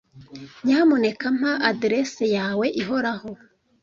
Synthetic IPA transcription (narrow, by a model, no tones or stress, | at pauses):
ɲamone̞kam̥haʔadiɾesejaːwe̞ʔiɦo̞ɾaho̞